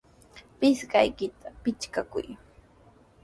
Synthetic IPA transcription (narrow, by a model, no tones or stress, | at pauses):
pɪsɢa̰jkɪt̪ʰapɪt͡ʃkakʊ̰j